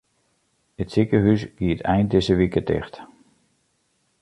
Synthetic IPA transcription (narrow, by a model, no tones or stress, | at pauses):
ətsikəɦysɡ̥iətʰɛjnt̚dɪzəʋikətɪ̰xt